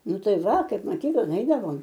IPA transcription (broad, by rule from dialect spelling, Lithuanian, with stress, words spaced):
ˈnʊ ˈtɐɪ ˈʋɐ ˈkɐɪp mɐˈkʲiːklˠɐn ˈɛɪdɐʋoːm